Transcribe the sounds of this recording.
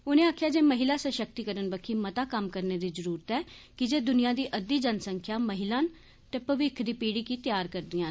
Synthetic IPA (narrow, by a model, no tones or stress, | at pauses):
ʊnẽːaːkʰjaːd͡ʒeːməɦɪlaːsəʃək̚t̪iːkəɾənbəkʰiːmət̪aːkəmkəɾneːd̪iːzəɾuːɾət̪ɛːkɪd͡ʒeːd̪ʊnɪjãːd̪iːʔəd̪iːd͡ʒənsəŋkʰjaːməɦɪlãːn | t̪eːpəʋɪkʰd̪iːpiːɽiːkiːt̪ɪjaːɾkəɾd̪ɪjãː